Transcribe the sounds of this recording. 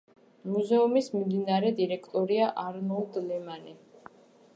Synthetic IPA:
muzɛumismimd̪inaɾɛd̪iɾɛkʰt̪ʼɔɾiaʔaɾnɔlˠd̪lɛmani

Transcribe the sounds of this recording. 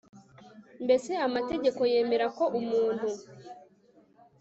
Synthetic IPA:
mbe̞se̞amate̞ɟe̞ko̞je̞ːme̞ɾako̞ʔumuːnhu

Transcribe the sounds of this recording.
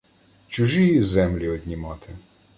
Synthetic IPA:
t͡ʃʊʒizɛmlʲiɔd̪ʲnʲimɑt̪ʰɪ

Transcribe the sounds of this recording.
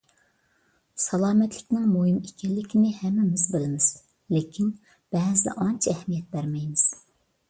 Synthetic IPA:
sɑlˠɑːmɛt̪ʰlɪkʲnɪŋmoɦɪmekʲɛllːɪkʲʰɪnɪhɛmːɛmɪzbɪlɪmɪz̥ | lekʲʰin | b̥ɛːzɪ̰ʔɑnt͡ʃʰɛɛhmijɛt̪̚bæɾmɛjmɪz̥

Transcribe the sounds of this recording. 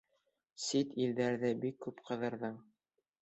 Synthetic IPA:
sit̪ildæɾðɘbikːʉpqɤ̆ðɤ̆ɾðɤɴ

